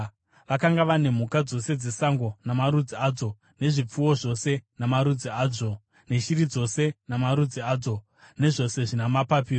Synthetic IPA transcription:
ʋakaŋɡaʋane̞m̤ukad͡zo̞se̞d͡zesaŋɡo̞namaɾud͡ziaːd͡zo̞ | ne̞ʐip͡fuwo̞ʐo̞se̞namaɾud͡ziaːd͡zo̞ | ne̞ʃiɾid͡zo̞se̞namaɾud͡ziaːd͡zo̞ | ne̞ʐo̞se̞ʐinamapapiːro

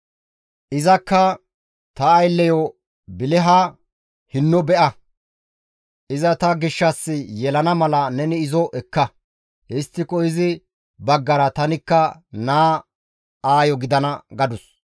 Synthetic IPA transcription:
ʔɪzɐkːɐ | t̪ɐːjlːɛjɔ | bɪlɛɦɐ | hɪnːɔbɛʔɐ | ʔɪzɐt̪ɐɡɪʃːɐsːɪjɛlɐnɐmɐlɐnɛnɪːzɔʔɛkːɐ | hɛst̪ːɪkɔɪzɪ | bɐɡːɐɾɐt̪ɐnɪkːɐnaː | aːjɔɡɪd̪ɐnɐɡɐd̪ʊs

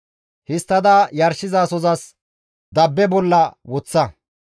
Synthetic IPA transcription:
hɪst̪ːɐd̪ɐjɐɾʃɪzaːsɔzɐs | d̪ɐbːɛbɔlːɐwɔt͡sːɐ

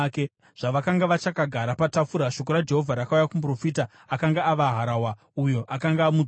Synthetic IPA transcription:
ke | ʐ̥aʋakaŋɡaʋat͡ʃakaɡʱaɾapatafuɾaʃo̞k̬o̞ɾad͡ʒe̞ɦo̞vʱaɾakaujakump̬ro̞fiːta | akaŋɡaːʋaɦaɾawa | ujo̞ʔakaŋɡaːmu

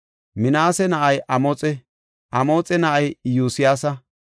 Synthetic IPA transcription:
mɪnaːsɛnɐʔɐjʔɐmoːt͡sʼɛ | ʔɐmo̞ːt͡sʼɛnɐʔɐjjuːsɪjaːsɐ

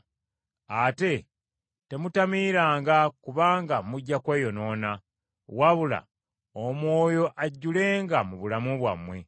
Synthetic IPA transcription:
ate̞ | te̞mutamiːɾaːŋɡakuβaːŋɡamuɟːakwe̞ːjo̞no̞na | waβula̰ | omwo̞ːjo̞ʔaɟːule̞ːŋɡamuβulamuβwa̰mwe̞

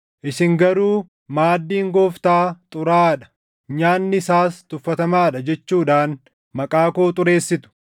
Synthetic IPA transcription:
ʔɪsɪŋɡɐɾuː | maːd̪ːiːŋɡo̞ːft̪aːt̪ʼʊɾaːᶑɐ̥ | ɲaːnːɪsaːst̪ʊfːɐt̪ɐmaːᶑɐd͡ʒɛt͡ʃːuːᶑaːn | mɐkʼaːkoːt̪ʼʊɾe̞ːsːɪt̪ʊ̥

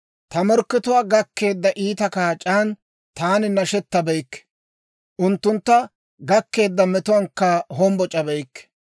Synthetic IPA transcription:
t̪ɐmɔɾkːɪt̪ʊwaːɡɐkːe̞ːd̪ːɐʔiːt̪ɐkaːt͡ʃʼaːn | t̪aːnɪnɐʃɛt̪ːɐbɛjkːɛ̥ | ʔʊnt̪ːʊnt̪ːɐ | ɡɐkːe̞ːd̪ːɐmɛt̪ʊwɐŋkːɐɦɔmbɔt͡ʃʼɐbɛjkː

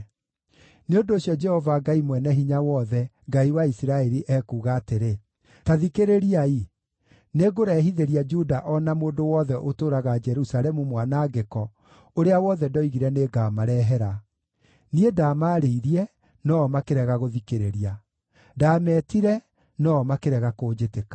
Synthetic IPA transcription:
neondoːsjɔd͡ʒɛhɔvaɡaimwɛnɛɦiɲawɔðɛ | ɡaiwaisiɾaɛɾiʔɛkuːɣaːteɾe | taðikeɾeɾiai | neɣoɾɛːɦiðeɾiad͡ʒudaʔɔnamoːndowɔðɛʔotoːɾaɣad͡ʒɛɾusalɛmumwanaɡekɔ | oɾeawɔðɛdɔiɣiɾɛneɡaːmaɾɛɦɛɾa | niedamaɾeiɾiɛ | nɔːmakeɾɛɣaɣoðikeɾeɾia | daːmɛːtiɾɛ | nɔmakeɾɛɣakoːd͡ʒetekḁ

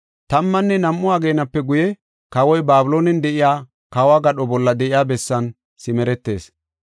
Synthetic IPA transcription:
t̪ɐmːɐnːɛnɐmːʊaɡe̞ːnɐpːɛɡʊjɛ | kɐwɔjbaːbɪlo̞ːnɛnd̪ɛʔɪjaː | kɐwaːɡɐɗɔbɔlːɐd̪ɛʔɪjaːbɛsːɐn | sɪmɛɾɛt̪ːe̞̰ːs

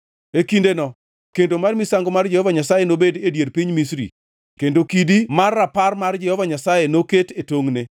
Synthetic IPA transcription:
ekindenɔ | kendomarmisaŋɡomard͡ʒɛhɔvaɲasajenobededjerpiɲmisɾḭ | kendokidimarːaparmard͡ʒɛhɔvaɲasajenoketetoŋne

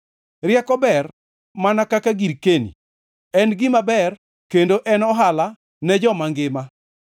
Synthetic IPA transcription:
rjɛkɔbɛr | manakakaɡiɾkenḭ | ɛnɡɪmabɛr | kendoʔɛnɔɦala | nɛd͡ʒɔmaŋɡɪma

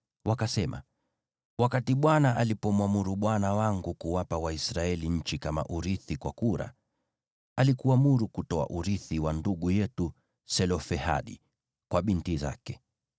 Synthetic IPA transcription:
wakasɛma̰ | wakatiɓwanaʔalipɔmwamuɾuɓwanawaŋɡukuwapawaisɾaɛliɲ̩t͡ʃikama̰ʔuɾiθikwakuɾa̰ | alikuamuɾukutɔa̰ʔuɾiθiwanduɠujɛtu | sɛlɔfɛha̰ɗḭ | kwaɓintiza̰kɛ

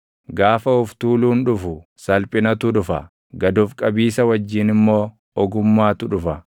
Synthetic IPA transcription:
ɡaːfɐʊft̪uːluːnᶑʊfʊsɐlpʼɪnɐt̪ʊᶑʊfɐ̰ | ɡɐd̪ʊfkʼɐbiːsɐwɐd͡ʒːɪnɪmːo̞ː | ɔɡʊmːaːt̪ʊᶑʊfɐ

